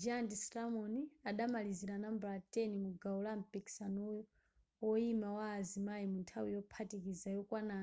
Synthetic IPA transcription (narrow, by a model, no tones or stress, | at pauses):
d͡ʒandislamɔniaɗamaliziɾanambɾatɛnimuɡaulampiksanɔjɔ | ɔimawaːzimajimuntʰawijɔpʰatikizajɔkwana